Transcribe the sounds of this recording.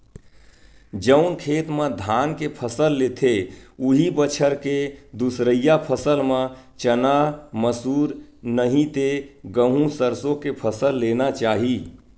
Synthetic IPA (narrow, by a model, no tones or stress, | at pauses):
d͡ʒəʊnkʰeːt̪mẽd̪ʱaːnkepʰəsəlːet̪ʰeuɦibət͡ʃʰəɾked̪usɾəjapʰəsəlmã | t͡ʃənaməsuːɾnəɦĩt̪eɡəɦũsəɾsõkepʰəsəlːenat͡ʃaːɦi